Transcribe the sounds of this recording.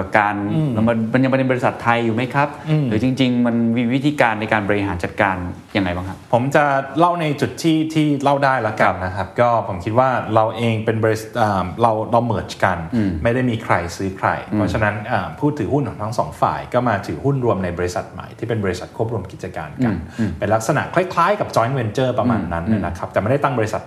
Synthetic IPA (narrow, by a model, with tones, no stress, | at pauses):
a˨˩kaː˧n˧˩ma˧ma˧nja˧ma˧e˧bɔ˧ɾi˧˥sa˨˩t̪ʰːa˧jːuː˨˩ma˦˥jkʰa˦˥p̚ɯ˧ɯː˩˦t͡ɕi˧ŋt͡ɕi˧ŋma˧nwiː˧wi˦˥t̪ʰiː˧kaː˧nːa˧jkaː˧nbɔː˧ɾi˧ɦaː˩˦nt͡ɕa˨˩t̪̚kaː˧n | ja˧ŋːa˧jbaː˥˩kʰa˦˥pʰo˩˦mt͡ɕa˨˩la˥˩wna˧jt͡ɕu˨˩t̪ʰːiː˥˩t̪ʰiː˥˩la˥˩wdaː˥˩jlɛː˦˥ka˧nna˦˥kʰa˦˥p̚kɔː˥˩pʰo˩˦mkʰi˦t̪̚waː˥˩ɾa˧wʔeː˧ŋpe˧nbɔː˧i˧sʔaː˨˩mɾa˧wɾa˧wmɯ˩˦nt͡ɕka˧nma˥˩jda˥˩jmiː˧kʰɾa˧jsɯː˦˥kʰɾa̰˧jpʰɾɔ˦˥t͡ɕʰa˧na˦˥nʔaː˨˩mpʰuː˥˩t̪ʰːɯː˩˦hu˥˩nkʰɔː˨˩˦ŋt̪ʰa˦˥ŋsɔː˩˦ŋfa̰ː˨˩jkɔː˥˩maː˧t̪ʰɯː˩˦hu˥˩nɾu˧əmna˧jbɔː˧ɾi˦˥sa˨˩t̪̚ma̰˨˩jt̪ʰiː˥˩pe˧nbɔː˧ɾi˦sa˨˩kʰu˥˩p̚ɾu˧əmki˨˩t͡ɕa˧ka̰ː˧nka˧npe˧nla˦˥k̚sa˧na̰˨˩ʔkʰla˥˩jkʰlaː˦˥jka˨˩p̚t͡ɕɔ˧˦˥nwe˧nt͡ɕɤː˥˩pɾa˧maː˧nːa˦˥nʔːa˦˥˩na˦˥kʰa˦˥pt̪ɛː˨˩ma˥˩da˥˩t̪a˥ŋbɔː˧ɾi˧sa˨˩t̪̚